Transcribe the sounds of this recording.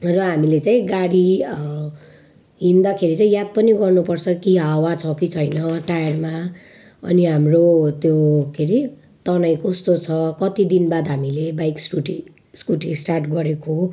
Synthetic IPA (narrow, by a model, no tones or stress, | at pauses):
rʌɦamilet͡sãĩɡaɽi | ɦind̪akʰeɾit͡saĩjad̪̚pʌniɡʌrnupʌrt͡sʰʌkiɦawat͡sʰʌkit͡sʰʌjnʌʈajʌrma | ʌ̰niɦamrot̪jokʰeɾi | t̪ʌnaj̃kost̪ot͡sʰʌkʌt̪id̪inbad̪ɦamilebajkskuʈi | skuʈisʈarʈɡʌɾeko